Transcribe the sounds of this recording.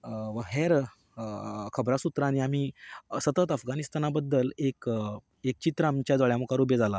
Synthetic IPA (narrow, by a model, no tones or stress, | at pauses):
ʋəɦeɾ | kʰəbɾasut̪ɾaːñiam̤iːsət̪ət̪əfɡanist̪anabəd̪ːəlek | ek̚t͡ɕit̪ɾəamt͡ɕjad͡z̪aɭjamukaɾubjed͡zala